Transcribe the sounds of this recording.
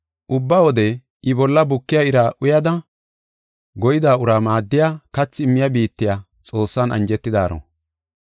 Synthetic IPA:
ʔʊbːɐwɔd̪ɛ | ɪbɔlːɐbʊkːɪjaɪɾaːʔʊjɐd̪ɐ | ɡɔjɪd̪aːʊɾaːmaːd̪ːɪjaːkɐt͡sːɪɪmːɪjɐbiːt̪ːɪja | t͡sʼo̞ːsːaːnʔɐ̰nd͡ʒɛt̪ːɪd̪aːɾo̰

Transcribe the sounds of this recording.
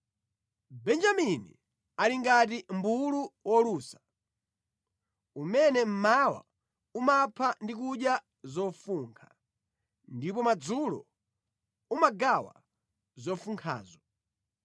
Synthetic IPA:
bɛnd͡ʒaminḭ | aliŋɡat̬imbuluwɔluːsḁ | umɛnɛm̩mawa̰ | umapʰandikuɗja | zɔfuŋkʰa | ndip̬ɔmad͡zulɔ̰ | umaɡawa̰ | zɔfuŋkʰa̰ːzɔ

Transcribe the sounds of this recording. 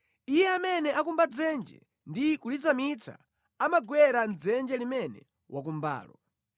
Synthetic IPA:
ijɛamɛnɛakumbad͡zɛnd͡ʒɛ̰ | ndikulizamit͡sʰa̰ | amaɡwɛɾand͡zɛnd͡ʒɛlimɛnɛ̰ | wak̬umba̰ːlɔ

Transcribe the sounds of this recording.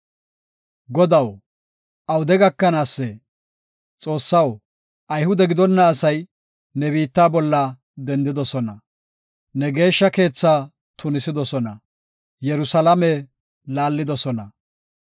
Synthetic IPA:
ɡɔd̪ɐw | ʔɐwd̪ɛɡɐkːɐnaːsːɛ | t͡sʼo̞ːsːɐw | ʔɐjhʊd̪ɛɡɪd̪ɔnːɐːsɐj | nɛbiːt̪ːaːbɔlːɐ | d̪ɛnd̪ɪd̪ɔsɔnɐ | nɛɡe̞ːʃːɐke̞ːt͡sːaː | t̪ʊnɪsɪd̪ɔsɔnɐ̰ | jɛɾʊsɐlɐmɛ | laːlːɪd̪ɔsɔnɐ

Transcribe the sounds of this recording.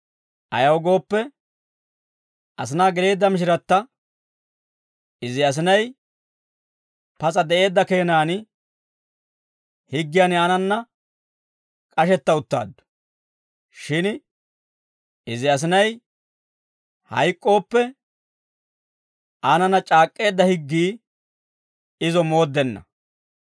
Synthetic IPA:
ʔɐjɐwɡo̞ːpːɛ | ʔɐs̬ɪnaːɡɛɾe̞ːd̪ːɐmɪʃ̬ɪɾɐt̪ːɐ | ɪzɪɐs̬ɪnɐj | pɐt͡sʼɐd̪ɛʔe̞ːd̪ːɐke̞ːnaːn | hɪɡːɪjaːnaːnɐnːɐ | kʼɐʃɛt̪ːɐʊt̪ːa̰ːd̪ːʊ̥ | ʃɪn | ɪzɪɐs̬ɪnɐj | hɐ̰jkʼːo̞ːpːɛ | ʔanɐnːɐt͡ʃʼaːkʼːe̞ːd̪ːɐhɪɡːiː | ɪzɔmo̞ːd̪ːɛnːɐ̰

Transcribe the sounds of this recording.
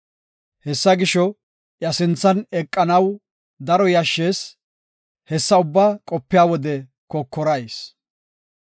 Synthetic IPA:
hɛsːɐɡɪʃɔ | jɐsɪnt͡sːɐnɛkʼːɐnɐw | d̪ɐɾɔjɐʃːe̞ːs | hɛsːɐʊbːaːkʼɔpːɪjaːwɔd̪ɛ | kɔkːɔɾɐjs

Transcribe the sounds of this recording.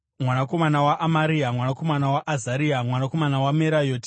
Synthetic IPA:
mwanako̞manawaʔamaɾiamwanako̞manawaʔːzaɾiamwanako̞manawameɾajoːti̥

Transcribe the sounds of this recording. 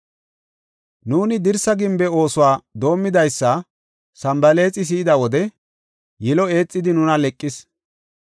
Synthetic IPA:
nuːnɪd̪ɪɾsɐɡɪmbɛo̞ːsʊwaːd̪o̞ːmːɪd̪ɐjsːɐ | sɐmbɐle̞ːt͡sʼɪs̬iːd̪ɐwɔd̪ɛ | jɪlɔe̞ːt͡sʼːɪd̪ɪnʊnɐlɛkʼːɪs

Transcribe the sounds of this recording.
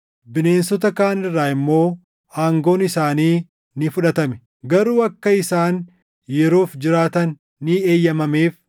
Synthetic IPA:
bɪne̞ːnsɔt̪ɐkaːnɪrːaːɪmːo̞ː | aːŋɡo̞ːnɪsaːniː | nɪfʊᶑɐt̪ɐmɛ | ɡɐɾuːɐkːɐɪsaːn | jɛɾoːfd͡ʒɪɾaːt̪ɐnː | ɪeːjːɐmɐmeːf

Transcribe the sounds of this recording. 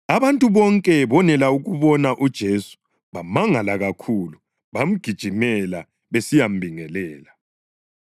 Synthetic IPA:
aβantʼuβɔŋkʼɛβɔnɛlauɣuβɔnaʔud̥ʒ̥ʱesu̥ | βamaŋalaɣakʰuːlu | βam̩ɡ̥ʱid̥ʒ̥ʱimɛla | βesijam̩bʱiŋɛlɛːla

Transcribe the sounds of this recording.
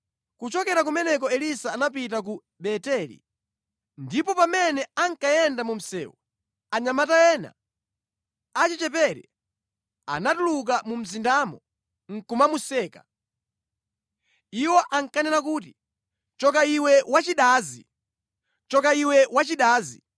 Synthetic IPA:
kut͡ʃɔkɛɾak̬umɛnɛk̬ɔɛlisaːnap̬it̬ak̬u | ɓɛtɛlḭ | ndipɔpamɛnɛaŋkajɛndamum̩sɛ̰ːwɔ | aɲamatajɛːna̰ | at͡ʃit͡ʃɛpɛɾɛ | a̰natuluk̬amum̩zindaːmɔ | ŋ̩kumamusɛːka | iwɔʔaŋkanɛɾak̬uːt̬i | t͡ʃɔk̬aiwɛwat͡ʃiɗaːzḭ | t͡ʃɔkaiwɛwat͡ʃiɗaːzḭ

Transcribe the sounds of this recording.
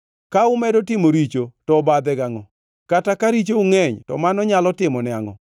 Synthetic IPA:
kaʊmɛdotɪmoɾit͡ʃotɔbad̪ɛɡaŋɔ | katakaɾit͡ʃouŋɛɲtɔ̰manɔɲalɔtɪmɔnɛaŋɔ̰

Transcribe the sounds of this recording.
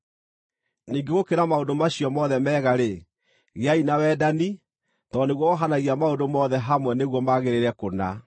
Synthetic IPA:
niːŋɡeɣokeɾamaondomaɕiɔmɔðɛmɛːɣaɾe | ɣeainawɛːdani | tɔneɣwɔɔɦanaɣiamaondomɔðɛɦamwɛneɣwɔmaɣeɾeɾɛkona

